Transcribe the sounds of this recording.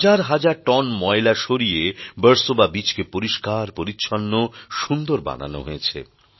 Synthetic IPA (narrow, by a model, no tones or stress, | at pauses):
d͡ʑaɾɦad͡ʑaɾʈɔnmɔelaʃoɾiebəɾsobabit͡ɕkepoɾiʃkaɾpoɾitːɕʰɔnːoʃund̪oɾba̰na̰no̰ɦojet͡ɕʰḛ